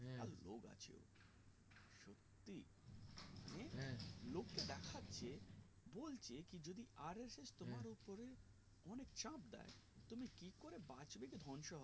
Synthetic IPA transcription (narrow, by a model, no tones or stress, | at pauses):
a̰lo̰ɡa̰t͡ɕʰḛo̰ | ʃot̪ːi | ẽlokːed̪ɛkʰat̪ːɕʰe | bolt͡ɕʰekid͡ʑod̪iaɾesest̪omaɾupoɾe | ɔnekt͡ɕãp̚d̪a̰et̪umikikoɾebat͡ɕbekid̪ʱɔnʃɔɦɔ